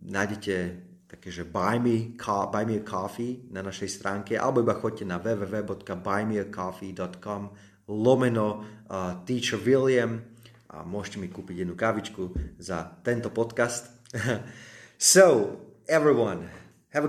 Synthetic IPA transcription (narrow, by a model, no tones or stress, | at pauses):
najɟɛcɛ | t̪ḁkɛːʒɛbajmikʰɔbajmilkʰɔfinanaʃɛjst̪ɾʔaːŋkɛʔa̰lɛbɔibaxɔc̚cɛnaʋɛːʋɛːʋɛːbɔt̪kabajmilkɔfid̪ɔt̪kɔm | lɔmɛnɔ | t̪iːt͡ʃəʋiliɛm | ʔa̰mʊɔʒcɛmikuːpiɟjɛd̪nukaʋit͡ʃkuzat̪ɛnt̪ɔpɔt̪kast̪ | soʊɛvɹiwan | hɛv